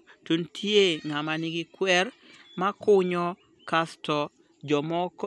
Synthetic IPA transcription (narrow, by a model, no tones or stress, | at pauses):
tuntʰieŋamanɪɡɪkwɛr | makʊɲɔ | kastɔ | d͡ʒɔmɔk